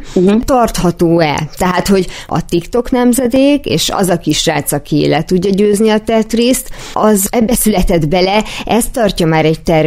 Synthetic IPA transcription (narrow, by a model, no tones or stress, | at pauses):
uːt̪ɒrt̪hɒt̪oːɛ̰t̪ɛɦaːt̪ho̞ɟɒ̰t̪ikt̪o̞knɛmzɛd̪eːkḛːʃɒ̰zɒkiʃraːt̪sɒkilɛt̪uɟːɒɟøːzniɒt̪ɛt̪reːst̪ | ʔɒzɛbːɛsylɛt̪ɛd̪bɛlɛʔɛst̪ɒrcɒmaːɾɛct̪ɛr